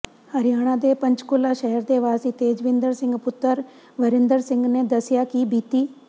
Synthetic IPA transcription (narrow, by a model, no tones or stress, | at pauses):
həɾɪjaːɽ̃ãːd̪eːpəɲt͡ʃkʊlːaːʃɛɦəɾd̪eːʋaːsiːt̪eːd͡ʒʋɪ̃nd̪əɾsɪ̃ŋɡpʊt̪ːəɾ | ʋəɾɪnd̪əɾsɪ̃ŋɡneːd̪əsɪjaːkibiːt̪iː